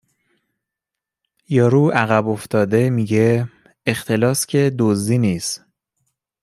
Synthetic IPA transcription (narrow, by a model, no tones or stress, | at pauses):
jɒːɾuːæɣæboft̪ɒːd̪e̞miːɟe | ext̪ʰe̞lɒːscʰe̞d̪ozd̪iːniːst̪